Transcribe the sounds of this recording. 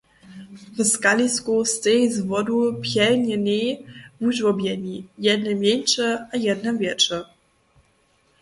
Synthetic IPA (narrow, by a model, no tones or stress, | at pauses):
vskalʲiskust̪ɛjzvɔd̪upjɛlɲʲɛnʲɛjvuʑwɔbʲjɛɲʲijɛd̪̚nɛmʲjɛnʲt͡ʂɛajɛd̪nɛmvʲjɛt͡ʂɛ